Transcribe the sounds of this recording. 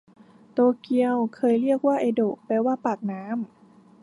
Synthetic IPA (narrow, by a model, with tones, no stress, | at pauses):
t̪oː˧ki˧əwkʰɤː˧jɾi˥˩ək̚waː˥˩ʔe˧doː˨˩kpɛː˧waː˥˩paː˨˩k̚naː˦˥m